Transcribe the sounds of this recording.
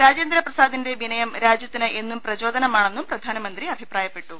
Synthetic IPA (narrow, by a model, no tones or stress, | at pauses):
ɾaːd͡ʑeːnd̪ɾɐprɐsaːd̪inde̞ʋinɐjɐmɾaːd͡ʑjɐt̪ːinɐʔe̞nːumprɐd͡ʑo̞ːd̪ɐnɐmaːɳe̞nːumprɐd̪ʱaːnɐmɐnd̪riɐbʱipraːjɐpːe̞ʈːu